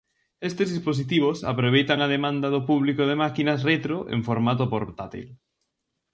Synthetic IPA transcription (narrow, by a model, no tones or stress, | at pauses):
est̪ezðispos̬it̪iβ̞osa̰pɾoβejt̪aŋaðemãnd̪ɐðopuβlikoð̞emakinɐsret̪ɾoʔḛŋfoɾmat̪̬opoɾt̪at̪ḭl